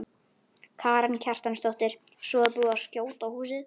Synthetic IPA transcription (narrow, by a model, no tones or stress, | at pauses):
kʰaːɾancʰar̥t̪anst̪ɔht̪ɪɾ̥sɔːðapuðascjoːwt̪awhuːsɪð